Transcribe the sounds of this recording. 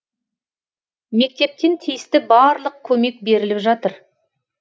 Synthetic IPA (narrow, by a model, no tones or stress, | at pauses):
me̞k̚t̪e̞p̚t̪e̞nt̪ʰijɪst̪ɪbɑɾlˠəq̚kʲʰːɵme̞k̚be̞ɾɪlɪpʒɑt̪əɾ